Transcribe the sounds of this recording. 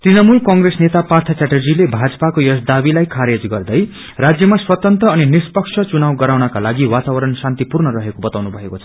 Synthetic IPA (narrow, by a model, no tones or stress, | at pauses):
t̪rinʌmulkʌŋɡresnet̪apart̪ʰʌstaʈed͡zilebʱad͡zʌpakojʌsd̪abilajkʰaɾed͡zɡʌrd̪ʌj | rad͡zjʌmaswʌt̪ʌnt̪ʌːninispʌksʰʌt͡sunawɡʌɾawnʌkalaɡiwat̪abʌɾʌnsãnt̪ipurnʌɾʌɦekobʌt̪awnubʱʌekot͡sʰʌ̥